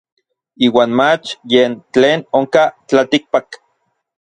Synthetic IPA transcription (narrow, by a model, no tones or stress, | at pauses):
iːwaːnmat͡ʃjeːnt͡ɬeːnoŋkat͡ɬat̪ik̚pak